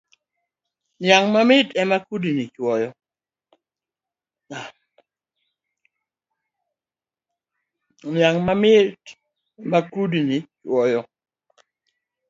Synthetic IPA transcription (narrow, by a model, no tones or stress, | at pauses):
njaŋmamɪtɛmakudinit͡ʃwɔjɔ | a | njaŋmamɪt | ɛmakudinit͡ʃwɔjɔ